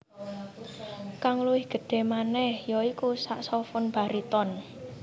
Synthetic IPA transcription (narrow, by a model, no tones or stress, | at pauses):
kaŋluɪhɡ̥ə̤ɖ̥e̤manɛhjɔikusaʔsɔfʊnb̥a̤ɾit̪ɔn